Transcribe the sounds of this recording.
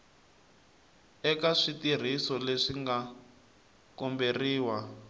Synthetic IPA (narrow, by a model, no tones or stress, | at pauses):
ɛkaʂitir̤isɔleʂiŋɡa | kɔmberiːwa